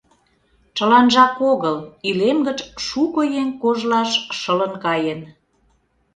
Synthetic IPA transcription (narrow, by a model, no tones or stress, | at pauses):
t͡ʃə̆lɑnʒɑkoɣəlylemɡət͡ʃʃukojeŋkoʒlɑʃʃə̆lə̆nkɑjən